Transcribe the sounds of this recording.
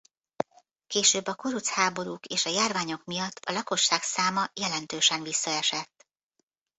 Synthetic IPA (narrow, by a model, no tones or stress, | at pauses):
keːʃøːbːɒkoɾut̪shaːbo̞ɾuːkeːʃɒjaːrvaːɲo̞kmijɒt̪ʰːɒlɒko̞ʃːaːksaːmɒjɛlɛnt̪øːʃɛnvisːɒɛʃɛt̪ː